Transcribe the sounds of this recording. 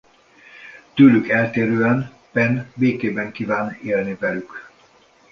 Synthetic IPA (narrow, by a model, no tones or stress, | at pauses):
t̪yːlykɛlt̪eːɾøːɛn | pɛnbeːkeːbɛŋkiːvaːneːlnivɛlyk